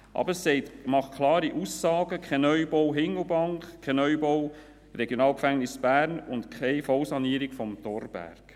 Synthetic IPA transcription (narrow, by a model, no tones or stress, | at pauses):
ʔɑ̰bəɾsɛɪtmɑχkʰlɑːɾiʔusːɑːɡ̥əkʰχɛnœʏbɔwɦɪŋəlbɑŋkkʰːɛnœʏbɔw | rɛɡjonɑːlkfæŋnɪsb̥æːɾnʊntkʰɛɪfɔlsɑniːəɾikfɔmtɔrb̥æ̰ɾk